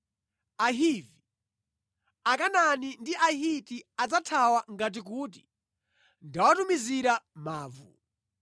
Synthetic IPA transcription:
aɦivi | akananindiʔaɦitiad͡zatʰawaŋɡat̬ik̬uːt̬i̥ | ndawatumiziɾamaːvṵ

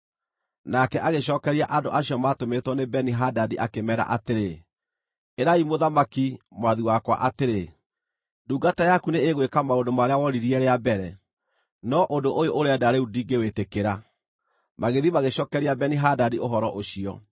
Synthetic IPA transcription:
nakɛʔaɣeɕɔːkɛɾiaʔandoʔaɕiɔmatometwɔnebɛniɦadadiʔakemɛɾa̰ʔateɾe | eɾaimoðamakimwaðiwakwa̰ʔateɾe | duːɡatajakuneeɣwekamaondomaɾeawɔɾiɾiɛɾeabɛɾɛ | nɔʔondoʔojoʔoɾeɛdaɾeudiːŋɡewetekeɾa | maɣeðimaɣeɕɔːkɛɾiabɛniɦadadioɦɔɾɔʔoɕiɔ̰

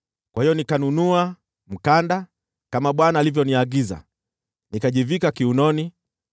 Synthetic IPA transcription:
kwahijɔnikanunua | m̩kanda | kamaɓwanaːlivjɔniaɡiza̰ | nikaʄivikakiunɔni

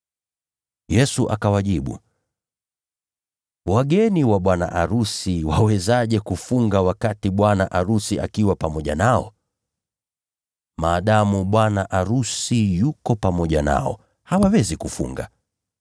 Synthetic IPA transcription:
jɛsuʔakawaʄiɓṵ | waɠɛniwaɓwana̰ʔaɾusiwawɛzaʄɛkufuŋɡawakatiɓwanaʔaɾusiʔa̰kiwapamɔʄanaɔ̰ | maːɗamuɓwanaʔaɾusijukɔpamɔʄana̰ɔ̰ | hawawɛzikufṵŋɡa̰

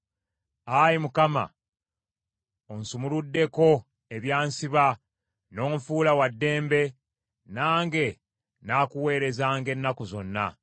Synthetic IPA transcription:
ajimukama̰ | onsumuludːe̞ko̞ | eβjaːnsiβa | no̞ːɱfuːlawadːe̞ːmbe̞ | naːŋɡe̞ | naːkuwe̞ːɾe̞zaːŋɡe̞nːakuzo̞̰nːa̰

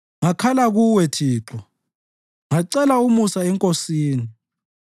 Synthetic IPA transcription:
ŋakʰalaɣuwɛtʰiːǁɔ | ŋaǀɛlaumusaɛŋkʼosiːni

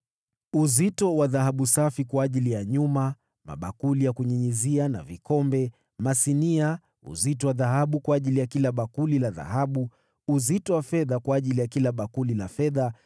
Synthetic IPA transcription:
uzitɔwaðahaɓusafikwaːʄilijaɲuma | ma̰ɓa̰kulijakuɲiɲiziana̰vikɔmbɛ | masinia | ṵzitɔwaðaɦaɓukwaːʄilijakilaɓakulilaða̰ɦaɓu | uzitɔwafɛðakwaːʄilijakilaɓakulilafɛða

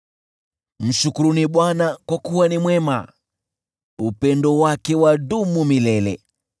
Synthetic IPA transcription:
m̩ʃukuɾuniɓwanakwakuwanimwɛma | upɛndɔwakɛwadumumilɛlɛ̰

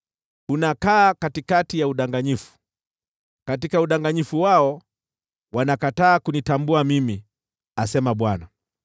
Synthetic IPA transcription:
unakaːkatikatijauɗaŋɡaɲifu̥ | katikauɗaŋɡaɲifuwaɔ | wanakataːkunitambuamimi | asɛmaɓwana

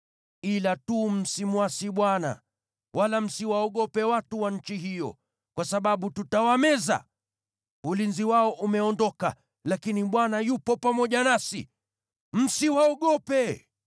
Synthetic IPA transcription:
ilatum̩simwasiɓwana̰ | wʔalam̩siwaɔɠɔpɛwatuwaɲ̩t͡ʃiɦijɔ̰ | kwasaɓaɓututawamɛza̰ | ulinziwaɔʔumɛɔndɔka̰ | lakiniɓwanajupɔpamɔʄanasi | m̩siwaɔɠɔpɛ

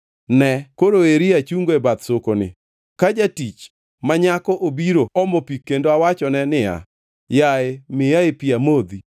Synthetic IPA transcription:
nɛkoɾoeɾiat͡ʃuŋɡoebat̪sokonɪ̰ | kad͡ʒatit͡ʃ | maɲakɔʔobiɾoɔmopikːendoawat͡ʃɔnɛnɪa̰ | jaɪmɪjaepiamod̪i

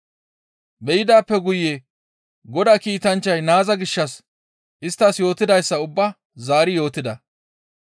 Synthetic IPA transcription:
bɛjɪd̪aːpːɛɡʊjːe | ɡɔd̪aːkiːt̪ɐnt͡ʃːɐjnaːzɐɡɪʃːɐs | ʔɪst̪ːɐsjo̞ːt̪ːɪd̪ɐjsːɐʊbːɐ | zaːɾɪjo̞ːt̪ːɪd̪ɐ

